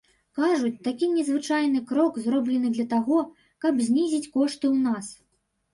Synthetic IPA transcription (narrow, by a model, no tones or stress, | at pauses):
kaʐut͡sʲt̪akʲinʲɛzvɨt͡ʂajnɨkɾɔkzrɔblʲɛnɨd̪lʲɐt̪aɣɔ | kɐbzʲnʲizʲit͡sʲkɔʂt̪ɨwnas